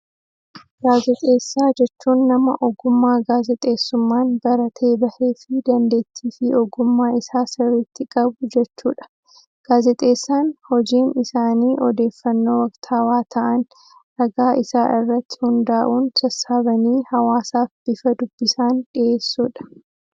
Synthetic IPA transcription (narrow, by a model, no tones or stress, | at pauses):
ɡ̥aːzɛt̪ʼe̞ːsːaːd͡ʒɛt͡ʃːuːnːɐmɐ̰ʔɔɡʊmːaːɡaːzɛt̪ʼe̞ːsːʊmːaːnbɐɾɐt̪ʰe̞ːbɐhe̞ːfɪd̪ɐnd̪e̞ːt̪ʰːiːfɪɔɡʊmːaːɪsaːsɪɾɪt̪ːɪkʼɐbʊd͡ʒɛt͡ʃːṵːᶑɐ̥ | ɡ̥aːzɛt̪ʼe̞ːsːaːnhɔd͡ʒiːnɪsaːniːʔɔd̪e̞ːfːɐnːo̞ːwɐkt̪ʰaːwaːt̪ʰɐʔɐn | ɾɐɡaːʔɪsaːʔɪrːɐt̪ːɪ̥hʊnd̪aːʔuːnt̪ʰɐsaːbɐniːhɐwaːsaːfb̥ɪfɐd̪ʊbːɪsaːnᶑɪʔe̞ːsːuːᶑɐ̥